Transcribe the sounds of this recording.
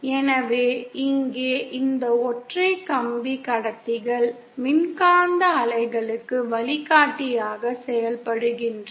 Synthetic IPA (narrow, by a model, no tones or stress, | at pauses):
ɛnɐʋeːɪŋɡeːʔɪnd̪ɐɔʈrɐɪkɐmbikɐɽɐt̪ːɪɣɐɭ | mɪnkaːnd̪ɐːlɐɪɣɐɭɯkːɯʋɐɭɪɣaːʈːɪjaːɣɐsɛjɐlpɐɽɯɣɪndrɐ